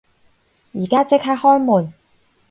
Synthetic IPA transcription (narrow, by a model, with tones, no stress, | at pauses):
jiː˨˩kaː˥t͡sɪ˥k̚haː˧˥hɔː˥jmuː˨˩n